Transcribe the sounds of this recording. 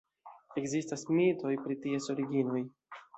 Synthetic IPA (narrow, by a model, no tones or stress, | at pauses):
e̞kzistasmito̞jpɾitieso̞ɾiɡino̞j